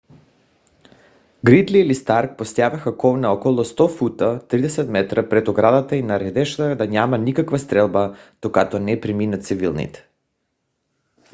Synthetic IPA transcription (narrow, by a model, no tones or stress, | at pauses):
ɡɾid̪liːlist̪aɾk̚pɔst̪javɛxakɔvnaɔkɔlˠɔst̪ɔfut̪at̪ɾid̪ɛsɛt̪mɛt̪ɾapɾɛt̪ɔɡɾad̪at̪ainaɾɛd̪ɛʃlaxad̪aɲamanikakvast̪ɾɛlˠbad̪̥okat̪ɔnɛpɾiminat̪sivilˠnḭt̪ɛ̥